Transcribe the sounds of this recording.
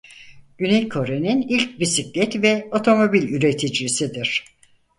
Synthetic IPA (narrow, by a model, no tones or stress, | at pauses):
ɟ̥ynɛjkʰo̞ɾeninilʲc̚bisiclʲɛt̪vɛo̞t̪ʰo̞mo̞bilʲyɾe̞t̪ʰid͡ʒɾisid̪iɾ̥